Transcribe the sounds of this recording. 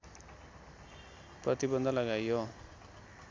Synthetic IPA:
prʌt̪ibʌnd̪ʱʌlʌɡajːo

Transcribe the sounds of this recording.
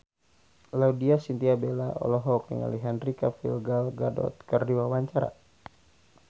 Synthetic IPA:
laudiasint̪iabɛlaʔɔ̰lɔɦɔk̚nə̰ŋa̰liɦɛnrikafilɡalɡadɔ̰t̪̚kərdiwawaɲt͡ʃaɾa̰

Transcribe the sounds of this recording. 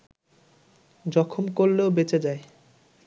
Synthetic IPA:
d͡ʑɔkʰomkoɾleobet͡ɕed͡ʑae

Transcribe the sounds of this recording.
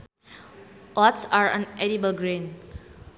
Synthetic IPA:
ʔɔtsaɹɔ̰̃nʔɛɾibəlɡɹẽn

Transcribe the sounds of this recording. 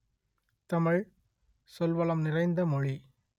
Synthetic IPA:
t̪ɐmɪɻ | sɔlʋɐlɐmnɪrɐɪnd̪ɐmɔɻi

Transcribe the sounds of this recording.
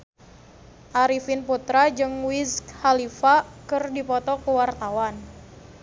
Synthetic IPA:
ʔaɾifinput̪ɾad͡ʒɨŋwiskhalifakɨrdipɔt̪ɔkəwart̪awan

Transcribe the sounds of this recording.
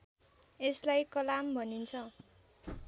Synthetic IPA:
eslajkʌlambʱʌnint͡sʰʌ

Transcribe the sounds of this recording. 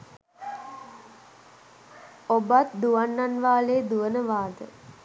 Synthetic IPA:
obat̪̚d̪uʋanːanʋaːleːd̪uʋənəʋaːd̪ə

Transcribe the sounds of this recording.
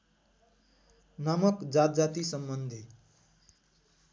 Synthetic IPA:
namʌkd͡zat̪̚d͡zat̪isʌmbʌnd̪ʱi

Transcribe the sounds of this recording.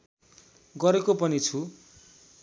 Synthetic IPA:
ɡʌɾekopʌnit͡sʰu

